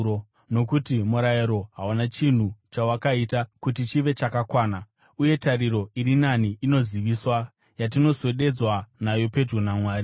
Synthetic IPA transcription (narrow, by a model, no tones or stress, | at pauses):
o | no̞kutimuɾajiɾo̞ɦaunat͡ʃin̤ut͡ʃawakaitakutit͡ʃiʋe̞t͡ʃakakwaːna | uje̞tariɾo̞iɾinaniʔino̞ziʋiswa | jat̬ino̞se̞ɗe̞d͡zwanajo̞pe̞drunamwaːri